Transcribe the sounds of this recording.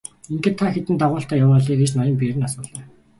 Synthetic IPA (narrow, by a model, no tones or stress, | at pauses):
iŋɡĕt̪ʰːaxet̪ɘ̆nt̪aʁʊːɬt̪æːjawaɮiːket͡ɕnɔjɞ̆ːmpeɾɘ̆nasʊːɮ̥aː